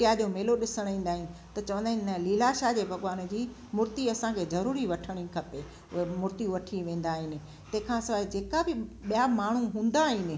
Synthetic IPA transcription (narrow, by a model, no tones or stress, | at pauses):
ijad͡ʑomeːloɗɪsəɽ̃ĩːnd̪aːɦɪnɪ̆t̪ɐt͡ɕɐʋə̃nd̪aːɦɪnɪnɐliːlaʃad͡ʑeːbʱɐɡʋaːn̆d͡ʑiː | mʊɾt̪iɐsãkʰeːzɐɾuːɾiʋɐʈʰəɽ̃ikʰɐpe | ʊ̰ɦemʊɾt̪iʋɐʈʰiʋẽːn̆d̪aːɦɪnɪ̆ | t̪ɐ̃ɦɪ̃kʰãːsɐʋaːɪd͡ʑeːkabɪɓijamaːɳ̤uɦũːn̆d̪aːɦɪnɪ̆